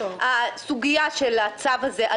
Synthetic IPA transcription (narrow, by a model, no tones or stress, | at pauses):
asuɡijaʃelat͡savhazeʔa